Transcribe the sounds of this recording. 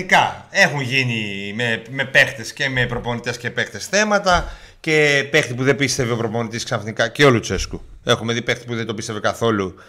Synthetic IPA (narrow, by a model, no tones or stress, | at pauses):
ikɐe̞xunʝinimeme̞pe̞xt̪e̞sce̞me̞pɾo̞po̞nit̪e̞sce̞pe̞xt̪e̞sθe̞mɐt̪ɐ | ce̞pe̞xt̪ipuðe̞bist̪e̞vio̞pɾo̞po̞nit̪isksɐfnikɐceo̞luse̞skue̞xume̞ðipe̞xt̪i̥puðed̪o̞pist̪e̞vekɐθo̞lu